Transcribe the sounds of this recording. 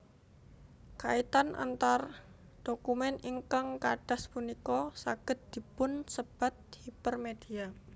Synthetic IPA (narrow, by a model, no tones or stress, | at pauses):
kait̪anʔa̰nt̪ar | ɖ̥okumɛniŋkaŋkaɖ̥a̤spunikɔsaɡ̥ə̤t̪̚d̪̥i̤pʊnsəb̥a̤t̪̚hipərmed̪̥ia